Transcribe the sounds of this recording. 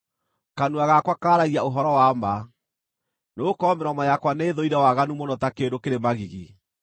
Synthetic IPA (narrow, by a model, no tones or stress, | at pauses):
kanuaɣakwakaːɾaɣiaoɦɔɾɔwama | nokɔːmɛɾɔmajakwaneðoiɾawaɣanumɔnɔtakeɾokeɾemaɣiɣi